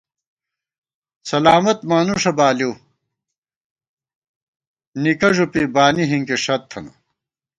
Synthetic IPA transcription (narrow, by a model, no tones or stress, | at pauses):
sɐlaːmɐt̪maːnuʂɐbaːlju | nikɐʐupibaːniɦiŋkiʂɐt̪ʰːɐnɐ̰